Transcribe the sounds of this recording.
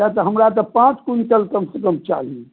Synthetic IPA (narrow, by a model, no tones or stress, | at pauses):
at̪əɦəmɾat̪ɐpãːt͡ʃkunʈəlkəmsəkəmt͡ʃa̰ːɦi